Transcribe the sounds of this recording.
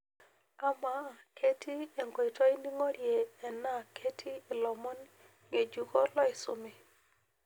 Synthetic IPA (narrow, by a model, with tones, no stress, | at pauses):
a˦ma˨˦˨kʰe˦ti˦e˨ŋɡɔ˨ɪ˨tɔ˦ɪ˦ni˦ŋɔ˦ɾje˨ɛ˨na˦kʰe˦tʰi˦ɪ˨lɔ˨mɔ˦n | ŋe˨d͡ʒu˨kɔ˦lɔ˦ɪ˨sʊ˨mɪ˨